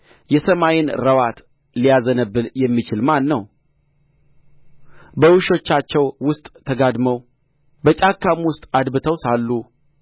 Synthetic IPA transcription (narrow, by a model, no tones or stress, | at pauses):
jɛsəmajɪnɾəwat̪ | lijazənəbːɨljɛmːit͡ʃɪlmanːəw | bəwuʃo̞t͡ʃːat͡ʃːɛwwʊst̪ʼt̪ʰːəɡad̪məw | bət͡ʃʼakːamwʊst̪ʼad̪bɨt̪ʰəwsalːu